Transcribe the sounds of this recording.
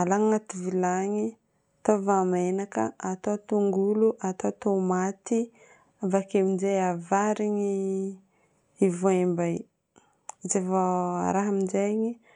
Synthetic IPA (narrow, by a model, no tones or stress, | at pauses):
alaŋŋat̪ivilaŋi | t̪ovamenakə̰at̪ot̪uŋɡuluʔat̪ot̪omat̪i | avakemizejavaɾiɲi | ivoembaj | zevaɾaɦamid͡ʒajɲi